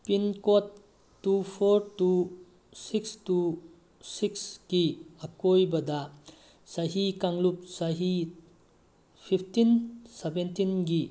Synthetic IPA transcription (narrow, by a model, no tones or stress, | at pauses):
pinkotː | upʰoɾtu | sikstu | siksɡiɐkojbɐdɐ | sɐɦikaŋlup̚saɦi | pʰipʰtinsebentinɡi